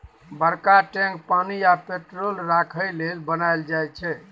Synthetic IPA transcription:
bəɾkaʈɛ̃ŋk̚paniapeʈɾolɾakʰəjlelbənajld͡ʒajt͡ʃʰɛ

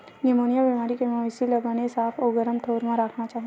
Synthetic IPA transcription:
nemoːnijabimaːɾikemasiləɡanesaːpʰoːɡəɾəmt̪ʰoːɾmãɾaːkʰnat͡ʃaːɦ

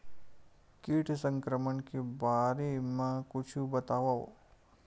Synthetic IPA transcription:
kiːʈʰsə̃ŋkɾəmənkebaːɾemãkʊt͡ʃʰbɐt̪aːʋao

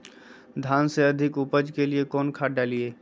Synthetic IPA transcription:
d̪ʱaːnseəd̪ʱɪkupəd͡ʒkeliekɔːnkʰaːɖalieː

